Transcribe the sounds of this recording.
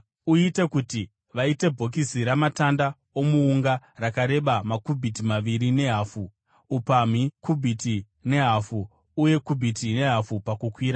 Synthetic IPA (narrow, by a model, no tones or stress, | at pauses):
uite̞kuti | ʋaite̞bʱo̞k̬iziɾamatanda | o̞muːŋɡarakaɾe̞ɓamakubʱitimaʋiɾine̞ɦaːfu | upam̤ikubʱiti | ne̞ɦafuː | je̞kubʱitine̞ɦafupakukwiːɾa